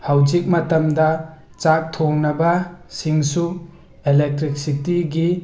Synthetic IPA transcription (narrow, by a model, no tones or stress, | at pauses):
hawd͡ʒik̚mɐtɐmdɐ | t͡ʃak̚tʰoŋnɐbɐsiŋsu | elek̚tɾik̚sik̚tiɡi